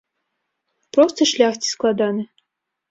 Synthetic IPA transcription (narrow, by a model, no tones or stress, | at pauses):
pɾɔst̪ɨʂlʲaxt͡sʲi̥sklˠad̪anɨ